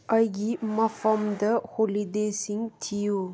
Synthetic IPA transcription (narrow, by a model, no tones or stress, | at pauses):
ɐjɡimɐfɐmd̪əholid̪eːsiŋt̪ʰijo